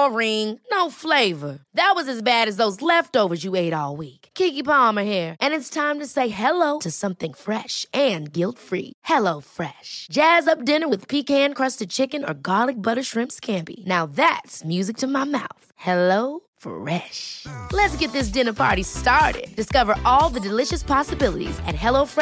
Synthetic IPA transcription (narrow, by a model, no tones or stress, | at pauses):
əɹɪ̃ŋnoʊfleɪvə˞ðɨt̚wʌzɨzbæɾɨzðoʊzlɛftoʊvə˞zjɨeɪɾɔlˠwikkʰikipɑmə˞hiɹʔɨ̃nɨtstʰãɪ̃mtɨseɪɦɛloʊɾɨsʌ̃mθɪ̃ŋfɹɛʃɨ̃nɡɪlˠtfɹḭhɛloʊfɹɛʃd̥ʒ̥æzʌp̚d̥ɪ̃nə˞wɨð̥pʰikhæ̃nkʰɹ̥ʌstɨd̚t͡ʃʰɪkɨ̃nə̰˞ɡɑlˠɨk̚b̥ʌɾə˞ʃɹɪ̃mpskʰæ̃mpḭnaʊðætsmjʉzɨk̚tʰɨmaɪma̰ʊθhɛloʊ | fɹɛʃlɨtsɡ̥ɛt̪̚ðɪs̬d̥ɪ̃nə˞pʰɑ̰ɹɾistɑɹɾɪ̰d̚d̥ɨskʌvə˞ʔɔlˠðɨdɨlɪʃɨspʰɑsəbɪlˠə̰ɾḭzɨ̰t̚ɦɛlˠoʊf